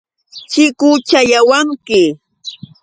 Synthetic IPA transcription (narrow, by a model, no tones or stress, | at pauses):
t͡ʃɪkʊt͡ʃajawaŋkɪ